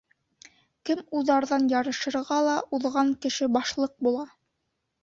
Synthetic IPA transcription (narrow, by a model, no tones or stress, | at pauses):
kɘmuðɑɾðɑnjɑɾɤ̆ʃɤ̆ɾʁɑlˠɑuðʁɑŋkɘ̆ʃɘbɑʃlˠɤq̚bulˠɑ